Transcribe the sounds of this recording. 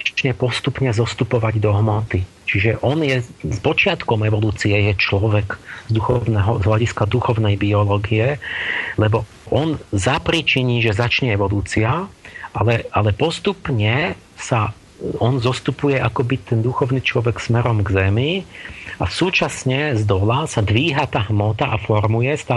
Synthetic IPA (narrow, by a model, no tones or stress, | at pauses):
t͡ʃɲɛpɔst̪upɲɛzɔst̪upɔʋaɟd̪ɔɦmɔt̪i | t͡ʃiʒɛʔɔnjɛspɔt͡ʃɪat̪kɔmɛʋɔluːt͡siɛjɛt͡ʃlɔʋɛkzd̪uxɔʊnɛɦɔzɦʎaɟiskad̪uxɔʊnɛjbiɔlɔːɡiɛlɛbɔ | ʔɔnzapɾit͡ʃiɲiːʒɛzat͡ʃɲɛɛʋɔluːt͡siaʔalɛalɛpɔst̪upɲɛ | sa | ɔnzɔst̪upujɛʔakɔbit̪ɛnd̪uxɔʊnit͡ʃlɔʋɛksmɛɾɔmɡzɛmiʔasuːt͡ʃasɲɛzd̪ɔlasad̪ʋiːɦat̪aːɦmɔt̪aʔafɔɾmujɛst̪aː